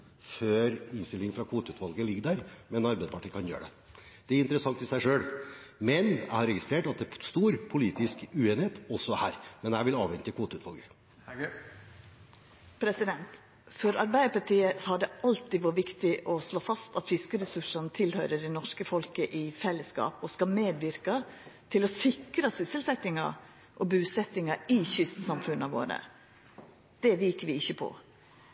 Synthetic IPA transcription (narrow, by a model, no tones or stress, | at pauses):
føːɾɪnst̪ɪlɪŋfɾɑkʰuːt̪əʉːt̪ʰʋɑlɡəlɪɡːəd̪æɾmɛnɑɾbæɪd̪pʰɑʈʰiːkʰɑnjø̰ːɖɛ̰ | d̪̥ɛæɾɪnt̪əɾəsɑŋt̪ɪsæɪʂøːlmɛnjæ̰ɪhɑɾɛɡɪst̪ɾeːʈɑt̪̚d̪ɛst̪uːɾpʰʊliːt̪ɪskʉːeːnheːt̪ɔsːɔhæːɾmɛnd̪ɛææɾʋɪlɑːʋɛnt̪ɪkʰuːt̪ʉːt̪ʋɑlɡə | pʰɾɛsɪd̪ɛnt̪ | fɔɾɑɾbæɪd̪əpɑʈiːəhɑd̪ɛʔɑlt̪ɪʋuːʋɪkt̪ɪʔɔsloːfɑst̪ɑt̪fɪskəɾɛsʉʂənt̪ʰɪlhœʏɾəɖɛnɔʂkəfɔlkəʔɪfɛlːəskɑ̰ːpɔskɑmeːd̪ʋɪɾkɑt̪ʰɪlɔsɪkɾəsɪsəlsɛt̪ɪŋɑ̰ | ʔɔbʉːsɛt̪ːɪŋɑɪçʏst̪sɑmfʉnːəɑʋo̰ːɾə̰ | d̪̥ɛʋiːkəʋɪɪçːəpʰɔ̰